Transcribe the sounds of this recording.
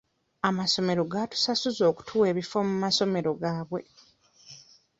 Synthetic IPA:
amaso̞me̞ɾo̞ɡatu̥sasuzo̞ːku̥tʰuwe̞ːβifo̞mumaso̞me̞ɾo̞ɡaːβwe̞

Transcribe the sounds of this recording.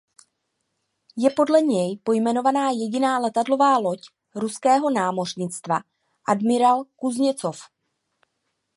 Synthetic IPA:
jɛpo̞dlɛɲɛjpo̞jmɛno̞vanaːjɛɟɪnaːlɛt̪adlo̞vaːlo̞c | ɾuskɛːɦo̞naːmo̞rɲɪt͡st̪va | ʔadmɪɾalkuzɲɛt͡sof

